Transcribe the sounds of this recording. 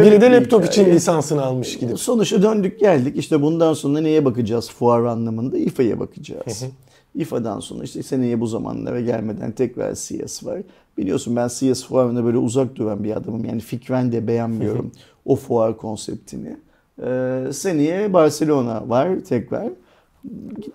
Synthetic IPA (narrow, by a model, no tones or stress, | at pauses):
inid̪ɛlʲɛpt̪ʰokit͡ʃʰinlʲisansɯnɯalˠmɯʃɟibiso̞nuʃad̪ø̞nd̪yc̚ɟælʲd̪iciʃt̪ʰɛbund̪anso̞nɾane̞jɛbakɯd͡ʒaːz̥fuaɾanlˠamɯnd̪aifaja̰bakʰɯd͡ʒa̰ːz̥ | ifad̪a̰nso̞nɾaiʃt̪ɛsenijɛbuzama̰nlˠa̰ɾaɟæ̰lʲme̞d̪æ̰nt̪ʰɛcɾa̰ɾsija̰sva̰ɾ̥ | b̥ilʲijo̞sunbænsijasfuaɾɯnabøːlʲɛuzak̚d̪yvanbia̰d̪amɯmja̰ːnificɾænd̪ɛbe̞jænmijo̞̰ɾṵm | ofuaɾkʰo̞nsɛ̰p̚t̪ʰinɪ̰ | senijɛbaɾselʲo̞na̰vaɾ̥t̪ʰɛkɾa̰ɾ̥